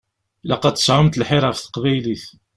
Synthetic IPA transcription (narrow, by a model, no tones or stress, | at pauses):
læqɑt͡s̪ːə̥sˤʕəmt̪lħɪɾˤəfθə̥qvæjliθ